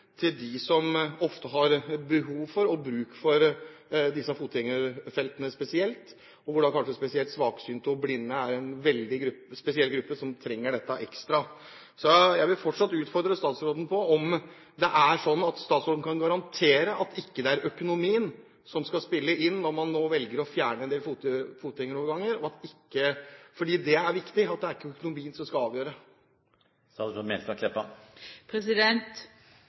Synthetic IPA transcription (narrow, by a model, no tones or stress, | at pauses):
t̪ʰɪld̪ɪsɔmɔft̪əɦɑɾbəɦuːʋfɔɾɔbɾʉːkfɔɾd̪ɪsːɑfuːt̪ʰɪŋəfɛlt̪ənəspɛsɪɛlt̪ | ɔʋʊɖɑkʰɑnʂəspɛsɪɛlt̪sʋɑːksyːnt̪ʰɔblɪnːəæɾɛnʋɛld̪ɪɡɾʉpːəspɛsɪɛlːɡɾʉpːəsɔmt̪ʰɾɛŋːəɖɛt̪ːəʔɛkst̪ɾɑ | sɔjæɪʋɪlfɔʈʂɑt̪ːʉːt̪fɔɾd̪ɾəst̪ɑːt̪sɾoːd̪n̩pʰɔɔm | d̪ɛʔæʂɔnːɑt̪st̪ɑːt̪sɾoːd̪n̩kʰɑnɡɑɾɑnt̪ʰeːɾəʔɑt̪ɪkːəd̪ɛæɾœkʊnʊmiːən | sɔmskɑspɪlːəʔɪnːɔɾmɑnːoːʋɛlɡəɾɔfjæːɳəɛnd̪eːlfuːt̪fuːt̪ɪŋːənɔməɡɑŋːəɾɔɑt̪ɪkːəfɔɖiːd̪ɛæɾʋɪkt̪ɪɑt̪̚d̪ɛæɾɪkːəœkʊnʊmiːənsɔmskɑlɑːʋjøːɾə | sɑd̪fɔmɛlt̪ɑkʰlɛpːɑpʰɾɛsɪd̪ɛnt̪